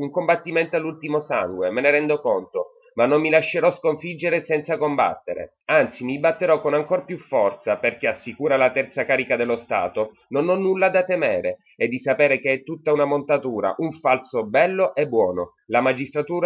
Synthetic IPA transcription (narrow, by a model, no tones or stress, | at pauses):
uŋkombat̪ːiment̪alːult̪imosa̰ŋɡwemeneɾɛnd̪okont̪o | manːomːilaʃːeɾɔskoɱfid͡ʒːeɾesɛnt̪sakomba̰t̪ːeɾḛ | ant̪simibat̪ːeɾɔkːonaŋkorpjufːɔrt̪saperk̟easːikuːɾalat̪ɛrt̪sakaːɾikad̪elːost̪a̰ːt̪o | nonɔnːulːad̪at̪emeːɾe | ed̪ːisapeːɾekeɛt̪ːut̪ːaunamont̪at̪uːɾa̰ʔuɱfalsobɛlːoʔɛbːwɔːno | lamad͡ʒist̪ɾat̪uːɾa